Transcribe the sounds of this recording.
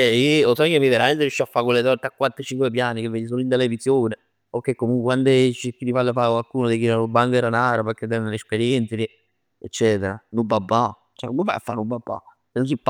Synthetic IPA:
ɛiosɔkemːiveɾament̪eɾeʃːiafːakwelːet̪ɔɾt̪eakːwat̪ːɾet͡ʃiŋkwep̬jaːnikevːeːd̪is̬oːnoint̪elevisjoːne | okːekːomuŋkʷwekwand̪et͡ʃikːilipalːefakwalkuːnod̪ek̟iɾalobaŋɡɛɾanaːɾapek̟ːed̪ɛnnelespeɾjɛnt̪seli | et͡ʃːɛːt̪eɾa̰nubabːa | t͡ʃɛ̰komuva̰ja̰fːanubabːa̰ | senonsipː

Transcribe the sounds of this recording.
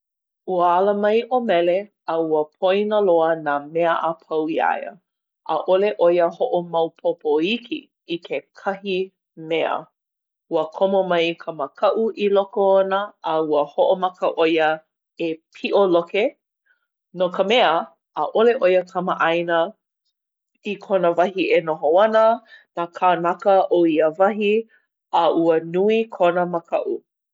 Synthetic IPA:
uəɐləmɐjʔomɛle | ɐuəpʰojnəloənaːmɛəʔapʰɐwia̰jə̰ | ʔɐ̰ʔoleʔojəhoʔomɐwpʰopoikʰḭ | ikʰekʰɐhi | mɛə̰ | uəkʰomomɐjkʰəməkʰɐʔuʔilokoonəʔɐuəhoʔomɐkəʔojə | epʰiʔoloke | nokəmɛəː | ʔoleʔojəkʰəməʔajnə | ikʰonəvɐhienoɦoɐnənakʰanɐkəʔoiəvɐɦi | əʔuənuikʰonəməkʰɐʔu

